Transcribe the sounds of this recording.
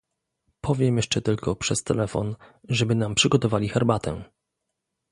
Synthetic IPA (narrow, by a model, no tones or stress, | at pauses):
pʰɔvʲjɛmjɛʂt͡ʂɛt̪ɘlkɔpʂɛst̪ɛlɛfɔ̰nʐɛbɘnampʂɘɡɔt̪ɔvalʲixɛɾbat̪ʰɛ̰